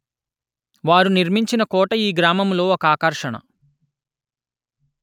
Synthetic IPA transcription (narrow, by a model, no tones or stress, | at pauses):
ʋaːɾuniɾmiɲt͡ʃinɐkɔːʈɐiːɡɾaːmɐmlo̞ːɔkɐaːkɐɾʂɐɳɐ̰